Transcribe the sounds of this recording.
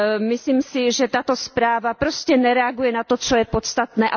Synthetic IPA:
mɪsliːmsɪʒɛt̪at̪ospɾaːvapɾoscɛnɛɾɛaɡujɛnat̪ot͡sojɛpot̪st̪at̪nɛːʔa

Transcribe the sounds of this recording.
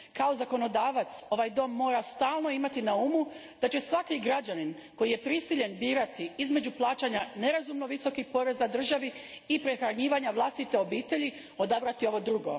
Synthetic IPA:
kao̞zako̞no̞d̪aːʋat̪so̞ʋajd̪o̞mːo̞ːɾast̪aːlˠno̞imat̪inaumu | d̪̥at͡ɕe̞sʋakiɡɾad͡ʑanin | ko̞jije̞pɾisiʎe̞nbiːɾat̪iizme̞d͡ʑuplˠaːt͡ʃaɲane̞ɾazumno̞ʋiso̞kipo̞ɾe̞zad̪r̩ʒaʋi | ipɾe̞xɾaɲiːʋaɲaʋlˠast̪it̪e̞o̞biːt̪e̞ʎi | o̞d̪abɾat̪io̞ʋo̞d̪ɾuɡo̞̰

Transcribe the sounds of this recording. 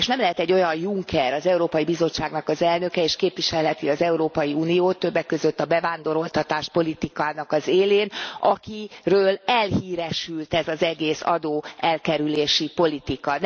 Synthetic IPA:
eʃnɛmlɛɦɛt̪ɛɟːo̞jɒnjuŋkʰɛɾɒzɛuɾoːpɒjibizo̞t͡ʃːaːɡnɒkɒzɛlnøkɛeːʃkeːpʋiʃɛlɦɛt̪iɒzɛuɾoːpɒjiuːnijoːt̪ːøbːɛkːø̞zø̞t̪ːɒbɛvaːnd̪o̞ɾo̞lt̪ɒt̪aːʃpo̞lit̪ikaːnɒkɒzeːleːnɒkirøːlɛlhiːɾɛʃylt̪ɛzɒzɛɡeːsɒ̰d̪oːɛlkɛɾyleːʃipo̞lit̪ikɒn

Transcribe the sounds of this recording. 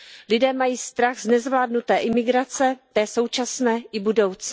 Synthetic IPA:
lɪdɛːmajiːst̪ɾaɣznɛzvlaːdnut̪ɛːʔɪmɪɡɾat͡sɛt̪ɛːso̞wt͡ʃasnɛːʔɪbudo̞wt͡s

